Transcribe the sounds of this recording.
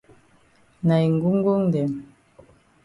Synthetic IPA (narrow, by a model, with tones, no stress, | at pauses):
na˨i˨ŋ˨ɡu˦ŋ˦ɡu˦ŋ˨dɛ˨m